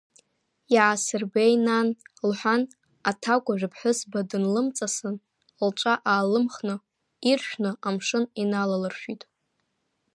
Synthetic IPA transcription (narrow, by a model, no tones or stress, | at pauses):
ʕasɨrbejnanlħʷan | atʰakʷʼaʒʷᶣɨpʰħʷʊsbadɨnlɨmt͡sʼasɨn | lt͡ʃʷʼaʔaːlɨmχnɨ | irʃᶣnɨʔamʂɨninalalɨrʃᶣitʼ